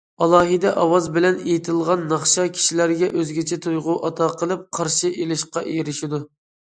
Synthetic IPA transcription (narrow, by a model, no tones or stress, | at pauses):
ɑlˠɑːɦɨd̪ɛʔɑwɑzbɪlɛnejit̪ʰɪlˠʁɑnːɑχʃɑkʲʰi̥ʃilæɾɡʲɛʔøzɡʲɛt͡ʃʰɛt̪ʰujʁʊʔɑt̪ʰɑqʰəlˠɨp̚qʰɑɾʃiʔelɪʃqɑʔeɾɪʃid̪u